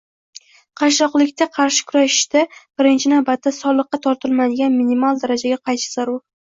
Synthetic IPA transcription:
qʰɑʃɒqlˠɪkʲt̪ʰaqʰɑɾʃɪ̥kʲʰʊɾaʃɪ̥ʃt̪ab̥ɪɾɪnt͡ʃʰɪnawbat̪ʰːasɒlˠɨqːɑt̪ʰɒɾt̪ʰɪlmad̪ɪɡʲanminimalˠd̪aɾad͡ʒaɡʲaqʰɑjʃɪ̥zaɾʊɾ

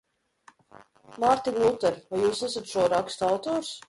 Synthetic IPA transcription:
maɾt̪iɡlˠut̪ɛɾvajuːsɛsat̪ʃuɔɾakst̪awt̪ɔːɾs

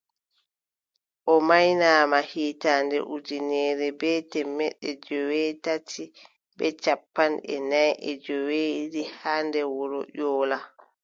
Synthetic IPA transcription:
ʔɔmajnaːmahiːtandɛ̰ʔud͡ʒinɛːɾɛbɛtɛmːɛɗɛd͡ʒɔwɛtatʰi | bɛt͡ʃapːanʔɛ̰najʔɛd͡ʒɔwedihandɛwɔɾɔʔɔːla

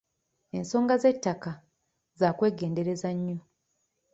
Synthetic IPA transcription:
e̞̰nso̞ːŋɡaze̞tːaka | zaːkwe̞ːɡe̞ːnde̞ɾe̞zaɲːo

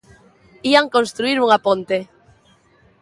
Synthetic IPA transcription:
iaŋkõnst̪ɾuiɾuŋapõnt̪e

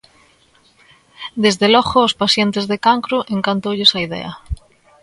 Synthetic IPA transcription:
d̪ezðelɔɣoːspaθjent̪ezðekaŋkɾuʔeŋkant̪owʎesaiðɛ̰ɐ̰

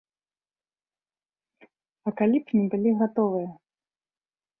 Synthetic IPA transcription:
ɐkalʲipnʲibɨlʲiɣat̪ɔvɨjɐ

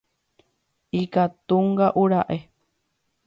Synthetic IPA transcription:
ikat̪uŋɡaʔuɾaʔe

